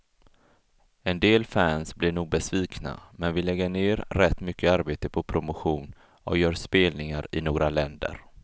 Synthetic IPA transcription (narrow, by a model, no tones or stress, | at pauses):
ɛnd̪eːlfæːnsblɪɳuːɡ̚bɛsviːkna̰mɛnvɪlɛɡːəɳeːɾɾɛt̪ːmʏkːəaɾbeːt̪əpʰɔpʰɾʊmʊɧuːn | ɔjœːɾspeːlnɪŋaɾɪnoːɡɾʔalɛnd̪ə̰ɾ